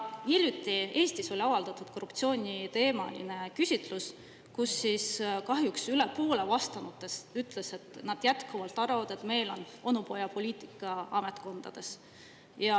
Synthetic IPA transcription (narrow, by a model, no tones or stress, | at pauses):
hilʲjut̪ːˑie̞ːst̪iso̞lʲɑvɑld̪̥ɑt̪ːˑud̪̥ko̞rːupt̪sioːnʲit̪e̞ːmɑ̰lḭne̞kysʲit̪ˑlus | kusːiskɑɦjuksylepo̞ːle̞vɑst̪ɑnut̪ːˑe̞syt̪ˑle̞se̞t̪nɑd̪̥jæt̪kuvɑlt̪ːˑɑɾvɑd̪̥e̞t̪me̞jlo̞no̞nupo̞jɑpo̞lʲiːt̪ˑikːˑɑɑme̞t̪ko̞nd̪̥ɑ̰d̪̥e̞s | jɑ